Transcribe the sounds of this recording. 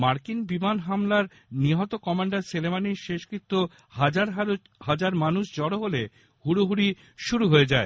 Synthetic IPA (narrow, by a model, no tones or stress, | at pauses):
maɾkinbimanɦamlaɾ | niɦɔt̪okɔmaɳɖaɾselemaniɾʃeʃkɾit̪ːo | had͡ʑaɾ | had͡ʑaɾmanuʃd͡ʑɔɽoɦole | huɾuɦuɾi | ʃuɾuɦoed͡ʑae